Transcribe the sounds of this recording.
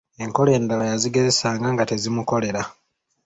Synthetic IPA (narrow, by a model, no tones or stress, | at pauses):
e̞ŋko̞le̞ːndalajaziɡe̞ze̞saːŋɡaŋɡate̞zimuko̞le̞ɾa